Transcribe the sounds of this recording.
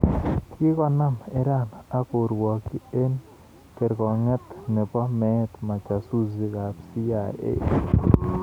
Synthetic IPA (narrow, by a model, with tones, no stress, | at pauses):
kɪ˦kɔ˨na˦mɪ˦ɾa˦˨na˦kʊ˨ɾwɔ˨ki˦e˦n | ke˨ɾkɔ˨ŋɛ˦t̪ne˨pɔ˦mɛ˦t̪ma˨t͡ʃa˨su˦zi˦ka˨psi˦ja˨ḛ˦